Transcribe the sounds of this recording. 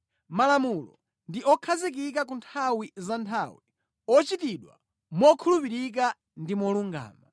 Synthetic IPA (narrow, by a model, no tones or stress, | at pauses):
malamulɔ̰ | ndiʔɔkʰazik̬ik̬ak̬untʰawizantʰawi | ɔt͡ʃitiɗwa̰ | mɔkʰulupiɾik̬a | ndimɔluŋɡa̰ːma